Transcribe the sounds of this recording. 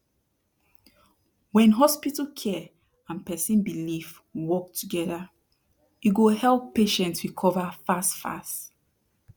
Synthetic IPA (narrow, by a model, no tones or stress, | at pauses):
wɛ̃nɦɔspitəkʰɛ | ãnpɛsĩnbilif | wɔk̚tʰuɡɛða | iɡohɛlˠpːeʃɛ̃ntsɹikʰɔvafastfa̰st